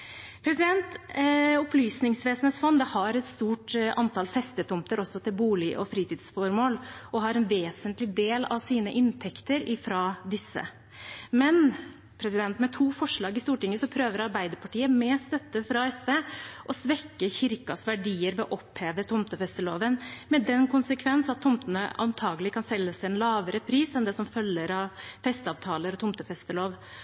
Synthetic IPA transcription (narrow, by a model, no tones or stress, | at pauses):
pʰɾɛsɪd̪ɛnt̪ʊplyːsnɪŋsʋeːsəneːt̪sfɑnd̪ɛhɑɾɛt̪st̪uːʈʔɑnt̪ʰɑːlfɛst̪ət̪ʰʊmt̪əɾɔsːɔt̪ʰɪlbuːlɪʔɔfɾiːt̪iːd̪sfɔɾmoːlɔɦɑɾɛnʋeːsənt̪lɪd̪eːlɑ̰ʋsiːnəʔɪnt̪ʰɛkt̪əɾɪfɾɑd̪ɪsːə̰ | mɛn | pʰɾɛsɪd̪ɛnt̪mɛt̪ʰuːfɔʂɭɑːɡɪst̪uːʈɪŋːəsɔpʰɾøːʋəɾɑɾbæɪd̪əɾpʰɑʈiːəmɛːsd̪ɛt̪ːəfɾɑɛsʋeːʔɔsʋɛkːəçɪɾkɑsʋæɖiːəɾʋɛɔʔɔpheːʋət̪ʰʊmt̪əfɛst̪əlo̰ːʋənmɛd̪ɛnkʰʊnsəkʰʋɛnsɑt̪ʰːʊmt̪ənə̰ʔɑ̰nt̪ʰɑːɡəlɪkʰɑnsɛlːəsæɪɛnlɑːʋəɾəpʰɾiːsɛnd̪ɛsɔmfœlːəɾɑʋfɛst̪ɑːʋt̪ʰɑːləɾɔt̪ʰʊmt̪əfɛst̪əloːʋ